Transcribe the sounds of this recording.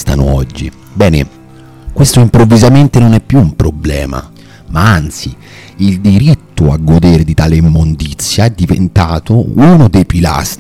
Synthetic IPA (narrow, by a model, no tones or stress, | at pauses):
st̪a̰no̰ɔd͡ʒːi | bɛːne | kwest̪oimpɾovːizament̪enonɛpːjuːmpɾoblɛ̰ːma̰ | maant̪si | ild̪iɾit̪ːoaɡːod̪eːɾed̪it̪aːlemːond̪it̪sːjaɛd̪ːivḛnt̪aːt̪ouːnod̪ejpila̰st̪